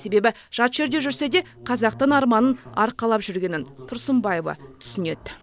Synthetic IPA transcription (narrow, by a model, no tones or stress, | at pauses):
se̞be̞bɪ | ʒ̥ɑt̪ʒ̥e̞ɾd̪e̞ʒʏɾse̞d̪e̞ | qʰɑzɑq̚t̪ənɑɾmɑnənɑ̰ɾqɑlˠɑpʒʏɾɡʲe̞nɪnt̪ʰʊɾsəmbɑjevɑ̰t̪ʰʏ̥sɪne̞̰d̪